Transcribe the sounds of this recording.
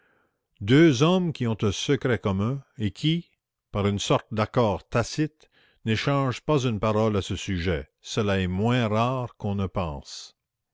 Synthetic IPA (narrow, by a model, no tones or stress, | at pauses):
d̪øːzɔmkʲiɔ̃t̪ɛ̃səkɾɛkɔmɛ̃ekʲʰi | paʁynsɔʁt̪̚d̪akɔːʁt̪asɪt̪ | neʃɑ̃ːʒpazynpaʁɔlasəsyʒɛ | səlaɛmwɛ̃ʁaːʁkɔ̃nəpɑ̰̃s